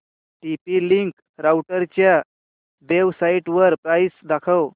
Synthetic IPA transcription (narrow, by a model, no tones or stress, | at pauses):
ʈipiliŋk | ɾawʈəɾt͡ɕja | d̪eʋsaiʈʋəɾpɾajsd̪akʰəw